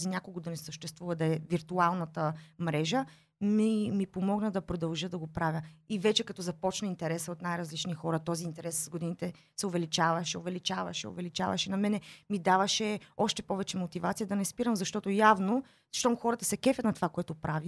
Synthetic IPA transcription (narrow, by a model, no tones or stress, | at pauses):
zinʲjakoɡod̪ɐnɛsəʃt̪ɛst̪vuvəd̪ɐɛviɾt̪ualˠnɐt̪əmɾɛʒə | mimipomɔɡnəd̪ɐpɾod̪ɐlˠʒəd̪ɐɡopɾavʲjəivɛt͡ʃɛkɐt̪ɔzɐpɔt͡ʃnəint̪ɛɾɛsəot̪najɾɐzlit͡ʃnixɔɾɐt̪ɔziːnt̪ɛɾɛsɡod̪init̪ɛ | sɛʊvɛlit͡ʃavɐʃɛovɛlit͡ʃavɐ̰ʃɛ̰o̰vɛlit͡ʃa̰vɐ̰ʃɛnɐmɛnɛmid̪avɐʃɛɔʃt̪ɛpɔvɛt͡ʃɛmot̪ivat̪sijəd̪ɐnɛspiɾəmzɐʃt̪ɔt̪ojavno | zɐʃt̪ɔmxɔɾət̪əsɛkɛfʲjət̪nɐt̪ovakoɛt̪opɾʔavi